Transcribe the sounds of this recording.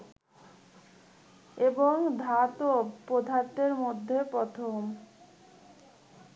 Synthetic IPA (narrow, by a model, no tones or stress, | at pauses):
eboŋd̪ʱat̪opɾod̪ʱaɾt̪eɾmod̪ʱːepɾɔt̪ʰom